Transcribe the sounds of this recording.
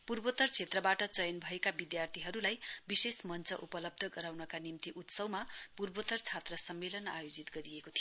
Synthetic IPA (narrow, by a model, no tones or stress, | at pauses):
purbot̪ʌrt͡sʰet̪rʌbaʈʌt͡sʌjʌnbʱʌekabid̪jart̪ʰiɦʌɾulajbisesmʌnt͡sʰʌʔupʌlʌb̚d̪ʱʌɡʌɾawnʌkanimt̪iʔut̪sʌwmapurbot̪ʌrt͡sʰat̪rʌsʌmːelʌna̰jod͡zit̪ɡʌɾiekot̪ʰij